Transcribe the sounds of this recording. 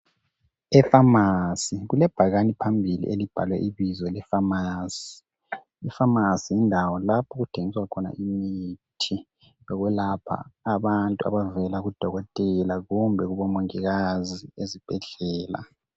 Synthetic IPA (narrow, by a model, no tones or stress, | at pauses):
ɛfamasiɣulɛb̥ʱaɣanipʰambʱilḭʔelib̥ʱa̰lwɛʔiβizɔlɛfamaːsi̥ | ifamasijindʱawɔlapʰɔɣutʰeŋiswakʰɔna̰ʔimitʰi | lɔɣwɛlapʰa̰ːβantʼua̰βavɛlaɣud̥ʱɔɣɔtʼɛlaɣumbʱɛɣuβɔmoŋiɣaziezib̥ʱɛɮɛːla̰